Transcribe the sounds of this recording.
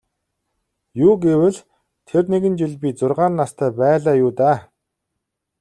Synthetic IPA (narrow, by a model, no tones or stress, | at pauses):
juːɡewɘ̆ɮ | t̪ʰerneɣɘ̆nt͡ɕiɮpʲit͡sʊrʁaːnːast̪ʰæːpæːɮaːjuːt̪aː